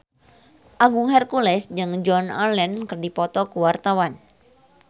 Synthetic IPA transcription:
ʔaɡuŋɦɛrkulɛsd͡ʒɨŋd͡ʒɔna̰lɛnkɨrdipɔt̪ɔkuwart̪awan

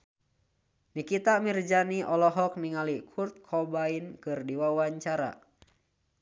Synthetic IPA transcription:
nikit̪amird͡ʒaniʔɔlɔɦɔk̚niŋalikʰurt̪̚kʰɔbainkɨrdiwawaɲt͡ʃaɾa̰

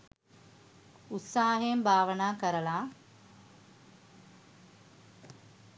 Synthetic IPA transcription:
ut̪saːɦembʱaːʋənaːkəɾəlaː

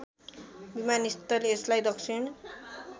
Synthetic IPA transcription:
bimanist̪ʌleslajd̪ʌksiɳ

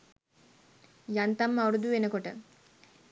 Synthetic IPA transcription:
jant̪amːɐuɾud̪uʋenəkoʈə

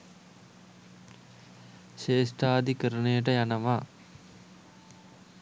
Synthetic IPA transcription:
ʃeːsʈaːd̪ʱikəɾɐnejəʈ̬əjanɐʋaː

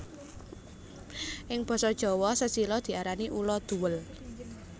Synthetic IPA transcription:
ʔɪŋb̥ɔ̤sɔd̥ʒ̥ɔ̤wɔsəsilɔd̪̥i̤ʔaɾaniʔulɔd̪̥ṳwəl

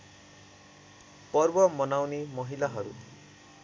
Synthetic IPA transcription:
pʌrbʌmʌnawnemʌɦilaɦʌɾṵ

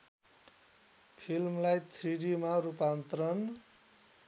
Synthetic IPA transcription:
pʰilmlajt̪ʰriɽimaɾupant̪rʌn

